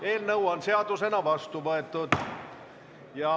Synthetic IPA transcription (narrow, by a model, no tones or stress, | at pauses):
eːlnɤwɑnseɑd̪use̞nɑʋɑst̪uʋoet̪ːˑud̪̥ | jɑ